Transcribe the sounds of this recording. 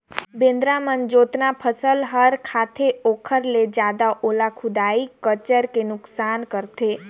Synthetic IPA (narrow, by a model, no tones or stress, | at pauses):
bẽːnd̪ɾamənd͡ʒoːt̪napʰəsəlɦəɾkʰaːt̪ʰeoːkʰəɾled͡ʒjaːd̪aʔoːlakʰʊd̪aːikət͡ʃəɾkenʊksaːnkəɾt̪ʰeː